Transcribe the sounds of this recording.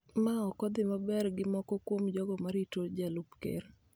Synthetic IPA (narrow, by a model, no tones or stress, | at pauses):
maɔkɔd̪ɪmabɛɾɡɪmɔkɔkwomd͡ʒɔɡɔmaɾitod͡ʒalupkḛr